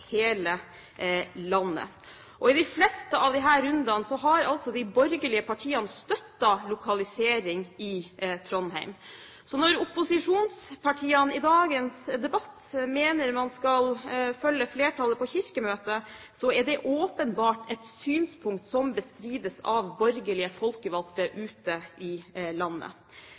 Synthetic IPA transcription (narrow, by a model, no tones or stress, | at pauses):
heːlə | lɑnːə̰ | ʔɔɪd̪ɪflɛst̪əʔɑʋd̪ɪɦæːɾʉnd̪ɑnsɔɦɑɾɑlsɔd̪ɪbɔɾɡəlɪəpʰɑʈʰiːɑnəst̪œt̪ːɑlʊkʰɑlɪseːɾɪŋɪt̪ʰɾɔnhæ̰ɪm | sɔnɔɾʊpʊsɪʂuːnspʰɑʈʰiːɑnɪd̪ɑːɡənsd̪ɛbɑt̪ːmeːnəɾmɑnskɑlfœlːəfleːʈʰɑləpʰɔçɪɾkəmøːt̪əsɔɛɖɛʔoːpənbɑːʈɛt̪syːnspʰʊŋk̚t̪sɔmbəst̪ɾiːd̪əsɑʋbɔɾɡəlɪəfɔlkəʋɑlt̪əʔʉːt̪əɪlɑnːə̰